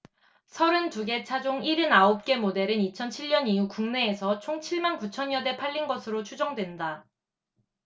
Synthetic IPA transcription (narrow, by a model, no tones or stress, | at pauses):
sʰʌɾɯntuɡe̞t͡ɕʰad͡ʑoŋiɾɯnaop̚k͈e̞mode̞ɾɯnit͡ɕʰʌnt͡ɕʰiʎɲʌniukuŋne̞ːsʰʌt͡ɕʰoŋt͡ɕʰiɭmankut͡ɕʰʌɲjʌde̞pʰaʎːinɡʌsʰɯɾot͡ɕʰud͡ʑʌŋdwe̞nda